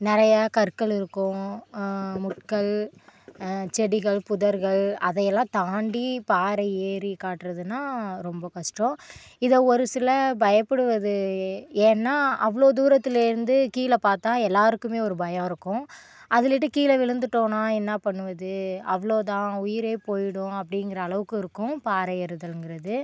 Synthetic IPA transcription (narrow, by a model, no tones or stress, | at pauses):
nɪɾɐjɐkɐɾkːɐɭɪɾɯkːʊ̃ | mʊʈ̚kɐɭ | t͡ʃɛɽɪɣɐɭpʊðɐɾɣɐɭɐðɐjɛlːãːt̪aːɳɖipaːɾɐeːɾikaːʈːɾɐðɯnːaːɾɔmbɐkɐʂʈɔ̃ | ɪðɐɔɾɯsɪlɐbɐjɐpːɛɽɯʋɐðɯeːnːaːʔɐʋɐɭoːd̪uːɾɐt̪ːɪlɪɾɯnd̪ɯkiːlɐpaːɾt̪ãːɛlːaːɾɯkːɯmeːɔɾɯbɐjɐ̃ːɪɾɯkːʊ̃ | ʔɐðɪlɪʈ̬ːɯkiːlɐʋɪɭɯnd̪ɯʈːõːnaːɛnːapɐɳːɯʋɐðɯɐʋɐɭoːt̪̬ãːʊjɪɾeːpoːjɪɽʊ̃ɐpːɐɽɪŋɡɪɾɐːɭɐʋɯkːɯɪɾɯkːʊ̃paːɾɐɛɾɯðɐlɯnɡɪɾɐðɯ